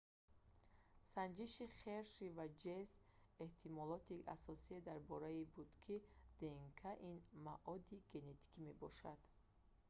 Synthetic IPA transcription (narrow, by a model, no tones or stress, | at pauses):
sand͡ʒiʃiχeɾʃivad͡ʒeseht̪ʰimɔlɔt̪ʰiʔa̰sɔsied̪aɾbɔɾaibud̪kʰid̪̥eŋkʰaʔinmaʔɔd̪iɡe̞ne̞t̪ʰi̥kʰime̞bɔʃad̪̥